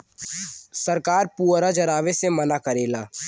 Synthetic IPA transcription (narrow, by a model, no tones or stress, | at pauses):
səɾkaːɾpuːɾad͡ʒɐɾaːʋesemɐnakəɾeːlaː